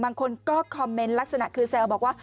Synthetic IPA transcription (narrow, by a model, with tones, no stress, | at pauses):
maː˧ŋkʰo˧nkɔ˦kʰɔ˧mːe˧nlaː˦˥t̚saː˧˨naː˧˩kʰɨ˧sɛ˧əː˨˧˩ɓɔ˨˩kwaː˦